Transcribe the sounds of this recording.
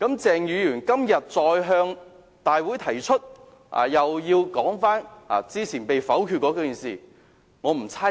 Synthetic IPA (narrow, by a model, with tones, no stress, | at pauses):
kɐ˨˥mt͡sɛː˨ŋjyː˨˧jyː˨˩nkɐ˥mjɐ˨t̚t͡sɔː˧jɦœː˧ŋ | t̪aː˨jwuː˨˥jt̪ʰɐ˨˩jt͡ʃʰɵ˥t̚ | a̰ː˨˩jɐ˨wjiː˧wkɔː˨˥ŋfaː˥na̰ː˨˩t͡siː˥t͡sʰiː˨˩npe˨jfɐ˨˥wkʰy˧kɔ˨˥kɔː˨˥kiː˨˩nsḭː˨˩ | ŋɔː˨˧m̩˨˩t͡sʰaː˥